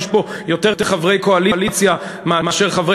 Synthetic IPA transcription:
ʃbo̞jo̞t̪e̞ʁt̪eχavʁe̞jko̞alilit͡sjamaamaʃeʁχavʁe

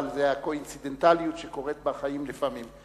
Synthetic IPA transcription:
lzehakoinsid̪ent̪alijutʃeko̞ʁet̪̚baχajimlefamim

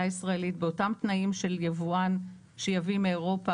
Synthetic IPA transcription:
aisʁaelitbeotamt̪naimʃe̞ljavuan | ʃejavimeeʁo̞pa

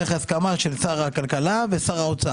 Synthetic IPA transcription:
eχaskamaʃelsaʁhakalkalavesaʁaot͡saa

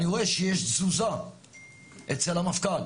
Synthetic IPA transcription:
niʁoeʃejeʃzuza | ʔet͡selamafkan

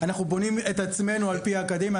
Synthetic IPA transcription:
anaχnubo̞nime̞t̪at͡sme̞nualpiaːkad̪emja

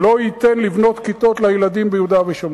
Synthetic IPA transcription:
loit̪enlivno̞t̪kit̪o̞t̪lajelad̪imbejud̪aveʃom

